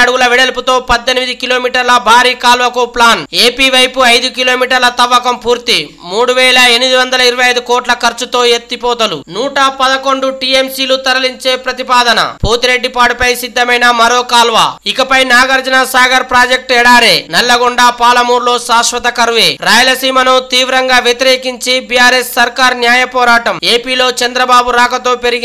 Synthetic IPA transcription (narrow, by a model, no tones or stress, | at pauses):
ɐɽuɡulɐʋiɽelput̪o̞ːpɐd̪ːenimid̪ikilo̞ːmiːʈɐɾlɐbʱaːɾiːkaːlʋɐkuplaːneːpiːʋɐjpuɐjd̪ukiloːmiːʈɐɾlɐt̪ɐʋːɐkɐmpuːɾt̪i | muːɽuʋɛːlɐenmid̪iʋɐnd̪ɐlɐiɾɐʋɐjɐjd̪ukɔːʈlɐkɐɾt͡ʃut̪o̞ːet̪ːipɔːt̪ɐlṵnuːʈɐpɐd̪ɐko̞ɳɖuʈiːemsiːlut̪ɐɾɐliɲt͡ʃe̞ːpɾɐt̪ipaːd̪ɐnɐ̰pʰoːt̪iɾe̞ɖːipaːɽupɐjsid̪ːɐmɐjnɐmɐɾoːkaːlʋa̰ːikɐpɐjnaːɡɐɾd͡ʒɐnasaːɡɐɾpɾaːd͡ʒek̚ʈɛːɽaːɾe̞ːnɛlːɐɡuɳɖaːpaːlɐmuːɾlo̞ːsaːʂʋɐt̪ɐkɐɾʋeːɾaːjɐlɐsiːmɐnut̪iːʋɾɐŋɡaːʋjet̪iɾe̞ːkiɲt͡ʃibijaːɾesːɐɾkaːɾnjaːjɐpɔːɾaːʈɐme̞ːpiːlo̞ːt͡ʃɐnd̪ɾɐbaːbuɾaːkɐt̪o̞ːpe̞ɾiɡi